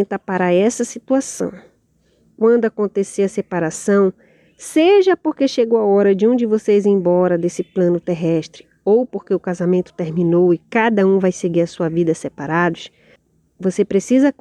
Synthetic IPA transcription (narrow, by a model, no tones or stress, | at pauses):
t̪apaɾaɛsɐsit̪uasɐ̰̃w̃ | kwɐ̃nd̪ʊakõnt̪eseɐsepaɾasɐ̃w̃ | seʒɐpoɾkeʃeɡowaɔɾɐd͡ʒɪũd͡ʒɪvosejzẽj̃bɔɾɐd̪esɪplɐ̃nʊt̪eɦɛʃt̪ɾɪ | owpoɾkeʊkazamẽnt̪ʊ̥t̪eɾmĩnowɪkad̪ɐũvajseɡiɾɐsuɐvid̪ɐsepaɾad̪ʊʃ | vosepɾesizɐ